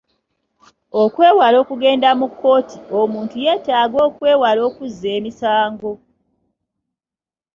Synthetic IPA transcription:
okwe̞ːwalo̞ːkuɡe̞ːndamukːo̞ːtʰiomuːntuje̞ːtaːɡo̞ːkwe̞ːwalo̞ːkuzːeːmisaːŋɡo̞

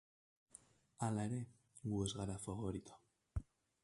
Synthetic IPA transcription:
alae̞ɾe̞ | ɣue̞zɣaɾafaβoɾit̪o̥

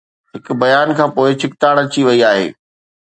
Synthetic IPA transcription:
ɦɪkʊ̆bɐjaːnkʰãːpoːɪt͡ɕʰɪkt̪aːɽ̃ɐt͡ɕiʋɐiaːɦḛː

